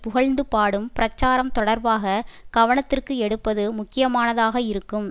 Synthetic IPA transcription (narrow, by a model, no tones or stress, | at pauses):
pʊɣɐɭnd̪ɯpaːɽɯmpɪɾɐt͡ʃːaːɾɐmt̪ɔɽɐɾbaːɣɐɡ̥ɐʋɐɳɐt̪ːɪrkɯɛɽɯpːɐðɯmʊkːɪjɐmaːnɐðaːɣɐɪɾɯkːɯm